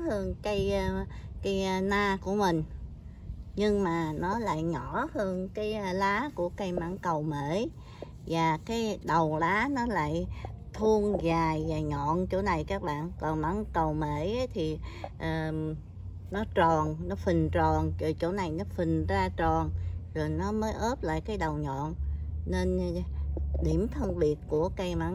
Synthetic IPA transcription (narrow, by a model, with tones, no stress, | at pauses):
hɨ˧əŋka˨˦jka˧naː˧ku˧˩əmï˨˩ŋ̟ | ɲɨ˧ŋmaː˨˩nɔ˨˦la̰ː˧˨jɲɔ˧˩˦hɨ˧əŋkaː˨˦jlaː˨˦ku˧˩əka˧jma˧˥˦ŋkə˨˩wme˧˩ | vaː˨˩kaː˨˦jɗə˨˩wlaː˨˦nɔ˨˦la̰ː˧˨jt̪ʰu˧əŋzaː˨˩jvaː˨˩ɲɔ̰˧˨nt͡ɕo˧˥na˨˩jkaː˦˥k̚ɓa̰ː˧˨nkɔ˨˩nma˨˦ŋkə˨˩wme˧˩ʔə˨˦jt̪ʰi˨˩ʔəː˨˩ | nɔ˨˦t͡ɕɔ˨˩nnɔ˨˦fï˨˩ŋ̟t͡ɕɔ˨˩nt͡ɕo˨˩jt͡ɕo˧˩na˨˩jnɔ˨˦fï˨˩ŋ̟zaː˧t͡ɕɔ˨˩nzo˨˩jnɔ˨˦məː˨˦jʔəː˦˥p̚la̰ː˧˨jkaː˨˦jɗə˨˩wɲɔ̰˧˨nne˧n | ɗi˧˩əmt̪ʰə˧nɓi˨˩ət̚ku˧˩əka˧jma˧˨˦